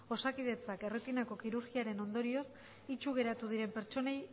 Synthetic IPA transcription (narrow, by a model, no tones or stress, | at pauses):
o̞sakið̞e̞t͡sake̞ret̪inako̞kiɾuɾɣiaɾe̞no̞nd̪o̞ɾio̞s | it͡ʃuɣ̞e̞ɾat̪uð̞iɾe̞mpe̞ɾt͡ʃo̞ne̞j